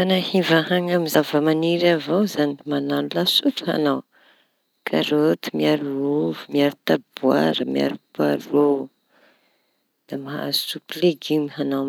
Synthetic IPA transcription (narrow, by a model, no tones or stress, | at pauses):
anahivahaŋamizavəmaniɾavawzanimananulasuʈ͡ʂha̰naw | kʰaɾot̪imiaɾuuvumiaɾut̪ab̥ua̰ɾəmia̰ɾupa̰ɾo | d̪̥amaa̰zu̥supileɡimiɦanaw